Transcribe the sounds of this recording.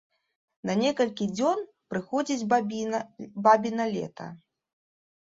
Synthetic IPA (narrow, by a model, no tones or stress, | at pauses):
nɐnʲɛkɐlʲkʲid͡zʲɔn | pɾɨxɔd͡zʲid͡zʲ | babʲinɐlʲɛ̰t̪ɐ̰